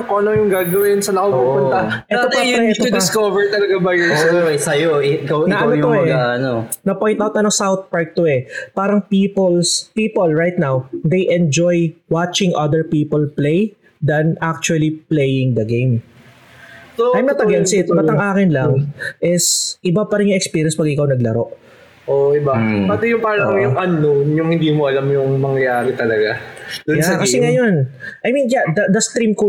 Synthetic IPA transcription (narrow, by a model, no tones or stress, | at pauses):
koʔɐnojʊŋɡaːɡɐwɪnsɐnɐkopupʊnt̪ɐʔɛaot̪jɐɛt̪oɪskovɛɹt̪ɐlɐɡabɐjɛɐɛsɐjoɪɡɐwɐoj̪oɛaɐnonɐpojnt̪awt̪ɐnosawt̪̚paɹk̚t̪oɛpaːɾɐŋpipolspiːpolɹajt̪̚nawd̪ejʔɛ̃nd͡ʒojwat͡ʃɪ̃ŋʔɐd̪ɛɹpiːpolplej | d̪ɐnak̚t͡ʃuɐliplejɪ̃ŋd̪ɐɡẽjm | soɐjmɐt̪ɐɡɐnsɪt̪nɐɐŋʔaːkɪnlɐŋʔɪsʔɪbapɐɾɪnjʊŋʔɛkspiːɾjɛnspɐɡʔɪkawnɐɡ̚lɐɾo̞ʔ | ʔoʔɪbapaːd̪ojʊŋpɐɐlɐkojʊŋʔɐnojʊŋhɪ̃nd̪iːmoʔɐlamjʊŋmɐŋjɐjaːɾɪt̪ɐlɐɡad̪jaɛkɐsɛŋɐjonʔɐjmĩnjad̪ɐd̪ɐst̪ɾimko